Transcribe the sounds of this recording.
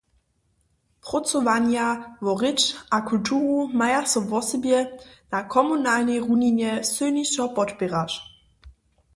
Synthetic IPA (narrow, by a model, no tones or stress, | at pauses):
pʁɔt͡sɔvanjavɔʁɪt͡ʃʔakultʰuːʁumajasɔvɔsɛbjɛnakʰɔmunaːlnɛjʁuɲiɲjɛsɨniʃɔpɔtpʲɛʁaʃ